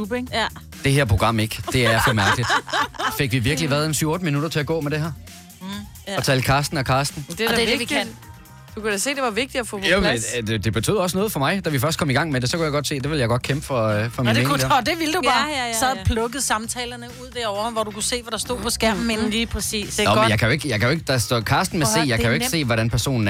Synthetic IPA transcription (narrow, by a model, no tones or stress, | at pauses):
ub̥eŋ | d̥e̝ɦeɐ̰pʰʁo̝ɡ̥ʁɑ̈m̰eɡ̥e̝æɐjafɒmæɐɡəlid̥fe̝ɡ̥ʋiʋiɐɡ̥əliʋæɐð̩ˠensyʊɔ̽ːd̥əminuɾ̥ɐt͡sʰe̝æɡ̥ɔ̰ːmed̥e̝ɦæɐ | ɒ̽t͡sʰɛlkʰɑ̈ːsd̥n̩ɒkʰɑ̈ːsd̥n̩d̥e̥eeʋi̥n̰ | d̥ukuæse̝̰ːd̥e̝ʋɑ̈ʋe̝ɡ̥̚d̥i̥ɒfɔ̽oded̥e̝b̥e̝t͡sʰy̰ðˠɒsnɔ̽ːð̩ˠfɒ̽mɑ̈ɪd̥æʋifɶɐsd̥kʰɒ̽miɡ̥ɑ̈ŋ̰mede̝sɒkujɑaɪɡ̥ɒ̽d̥se̝̰ːd̥e̝ʋe̝ljɑ̈ɪɡ̥ɒ̽d̥̚kʰemb̥fɒ̽fɒmineed̥e̝ʋild̥ubɑːsɒpʰlɔ̽ɡ̥əð̩ˠsɑ̈mt͡sʰɛːlɐnəuð̰ˠd̥eɐɒʊɐhʋɒd̥ukʰuse̝̰ːʋæɾ̥ɑ̈sd̥o̝ð̰ˠpʰɒ̽sɡ̥æɐ̰m̩enn̩liːpʰɛsḭːsnɒmnjɑ̈ɪkʰæjoe̝ɡ̥jɑ̈ɪkʰæjoe̝ɡ̥əd̥ɑ̈sd̥ɔ̰kʰɑ̈ːsd̥n̩mese̝̰ːjɑ̈ɪkʰæjo̝e̝̥se̝̰ːʋɒɾænpʰæɐso̝̰ːn̩